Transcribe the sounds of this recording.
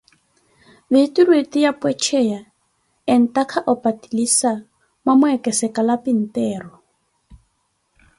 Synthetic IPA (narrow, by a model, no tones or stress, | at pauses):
bɪtirwetɪjapʼwɛt͡ʃʰɛja | ɪn̩takʰaʔɔpatʼilisa | mamʊɛkʼɛsɛkalapin̩tɛːrɔ